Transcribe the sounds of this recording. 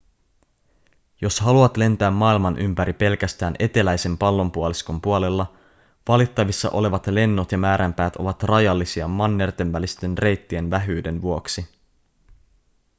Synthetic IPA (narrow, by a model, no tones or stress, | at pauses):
jo̞sɦɑluɑt̪le̞nt̪æːmːɑːilmɑnʔympæɾipe̞lkæst̪æːnʔe̞t̪e̞læjse̞mpɑlːo̞mpuoliskompuole̞lːɑ | ʋɑlit̪ːɑʋisːɑ̰ʔo̞̰le̞ʋɑt̪le̞nːot̪jɑmæːɾæmpæːt̪o̞̰ʋɑt̪rɑjɑlːisiɑmɑnːert̪e̞nʋælist̪e̞nre̞jt̪ːie̞nʋæɦyːde̞nʋuo̞ksi